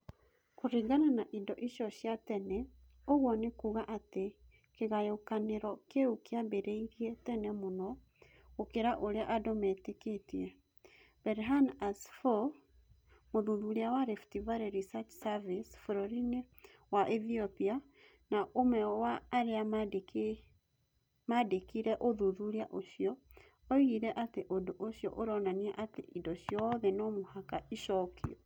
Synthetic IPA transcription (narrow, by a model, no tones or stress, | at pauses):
koɾiɡananaʔidɔʔiɕɔɕjatɛnɛ | oɣwɔnekuɣaʔate | keɣajokaneɾɔkeukeabeɾeiɾiɛtɛnɛmonɔ | okeɾaʔoɾeaʔadɔmɛteketiɛ | b̥ɛɾɦanasfɔ | moðuðuɾiawaɾɛftivaɾeɾisat͡ʃsavisfoɾɔɾine | waʔɛθiɔpia | naʔomɛwaːɾeak | madekiɾɛʔoðuðuɾiaʔoʃjɔ | ɔiɣiɾɛʔateʔodoʔoɕjɔ̰ʔoɾɔnaniɛʔatḛʔidɔɕjɔðɛnɔmohakaiʃɔkʰiɔ